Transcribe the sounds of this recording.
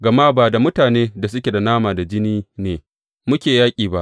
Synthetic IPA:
ɡɐ˨ma˦baː˨da˨mʊ˦taː˨neː˦da˨s̬ʊ˦kʲe˨da˨naː˦maː˨da˨d͡ʒɪ˦niː˦neː˨ | mʊ˦kʲeː˨jaː˦kʲʼiː˨ba˦ʔ

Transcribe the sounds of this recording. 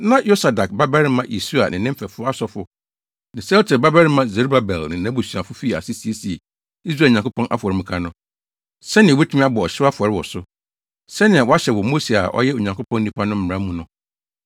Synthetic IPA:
nã˦jo˦sa˨da˨k̚ba˦bɛ˦ɾɪ˦mã˦ʔi˨su˦a̰˨nʔɪ̃˨nɪ̃˦m̩˦fɛ˨fʊ˦a˦sɔ˦fʊ˦ | nɪ̃˨sɛ˦ltʰɪ˨ba˦bɛ˦ɾɪ˦mã˦ze˨ɾu˦ba˨bɛ˨lnɪ̃˨nã˦bʊ˨su˨a˨fʊ˦fi˦˨a̰˨sɪ˦si˨e˦si˨e˨ | i˦s̬ɾaː˦˨ɲã˨kʰʊ˦pʰɔ̃˦nʔa̰˦fɔ˨ɾɪ˨mɪ̃˨kʰã˦nʊ̃˦ | sɛ˦nɪ̃˨wɛ˦tʰu˦mĩ˦a˦bɔ˨ɔ˨ɕɪ˦a˦fʊ˨ɔ˨ɾɪ˦wɔ˨sʊ˦ | sɛ˦nɪ̃˨a˨wɔ˦a˦ɕɛ˨wɔ˨mo˦si˨a̰˨ʔɔ̰˦jɛ˦o˨ɲã˨ŋkʰʊ˦pʰɔ̃˦nː˦nĩ˦pʰa˦nʊ̃˦m̩˦mɪ˨ɾã˦mũ˨nʊ̃˨

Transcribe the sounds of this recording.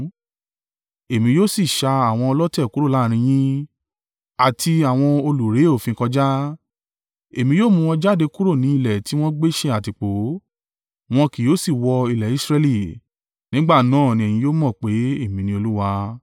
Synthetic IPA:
e˨mĩ˧˦joː˦si˦˨ʃa˧a˨w̃ɔ̃˧ɔ˧lɔ˦tɛ˦˨ku˦ɾo˦˨la˨˦˨ɾ̃ĩ˧j̃ĩ˦ | a˨tʰi˧a˨w̃ɔ̃˧o˧lu˨ɾe˨˦o˦˨fĩ˧kɔ˧d͡ʒa˦ | e˨mĩ˧joː˦mũ˧ɔ̃˧d͡ʒa˦˨de˧ku˦ɾo˦˨nĩ˨˦i˧lɛ˨ti˨˦w̃ɔ̃˦ɡ͡be˦ʃe˧˦a˨ti˨k͡po˨˦ | w̃ɔ̃˧ki˨jo˦si˦˨wɔ˧i˧lɛ˨i˨˦sɾɛ˧li˦˨ | nĩ˨˦ɡ͡ba˦˨nãː˦˨nĩ˧ɛ˨j̃ĩ˧˦joː˦mɔ̃˦˨k͡pe˨˦e˦˨mĩ˨˧nĩ˧˦o˧lu˦wa˧

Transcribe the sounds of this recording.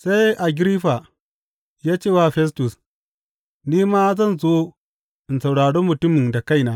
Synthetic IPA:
sa˦jʔa˨ɡʲɾi˦ɸa˨ | jaː˦t͡ʃeː˦˨wa˦ɸɛ˦s̬tu˨s | niː˦maː˦zɐ˦˨nzoː˦ | ɪ˨nsa˨wɽaː˨ɽo˦mʊ˨tʊ˦mɪ˨nda˨ka˦˨jnaː˨˦

